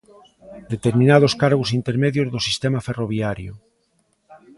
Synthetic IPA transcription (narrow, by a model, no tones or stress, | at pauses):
d̪et̪eɾmĩnað̞oskaɾɣosint̪eɾmeðjozðosist̪emaferoβ̞jaɾjo̰